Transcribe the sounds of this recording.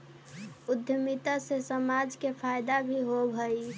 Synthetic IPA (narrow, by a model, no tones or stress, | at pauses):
ud̪ʱjəmit̪asesəmad͡ʒkepʰajd̪abʱiɦobʱəj